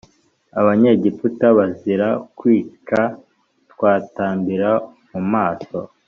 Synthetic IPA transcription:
aβaɲeɟiputaβaziɾakwiːka | tkwaːtaːmbiɾamumaːso̞

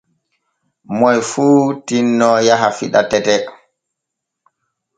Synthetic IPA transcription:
mɔjfuːtinːɔjaɦafiɗa̰tɛtɛ

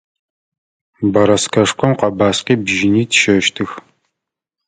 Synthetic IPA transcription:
bɐɾɐskʰɐʂkʷʰɔmqʷɐbaːsqiːbʒɪniːtʰʃɐʃtʰɨx

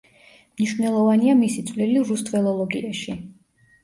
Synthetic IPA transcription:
mniʃvnɛlˠɔvaniamisit̪sʰʼvliliɾust̪ʼvɛlˠɔlˠɔɡḭaʃi

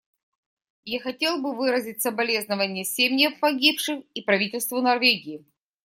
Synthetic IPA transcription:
jaxɐtʲe̞lˠbɨvɨɾəzʲɪtʲsəbɐlʲe̞znəvənʲɪjəsʲemʲnʲəfpɐɡʲipʂɨxipɾɐvʲitʲɪlʲst̪vʊnɐrvʲeɡʲɪɪ

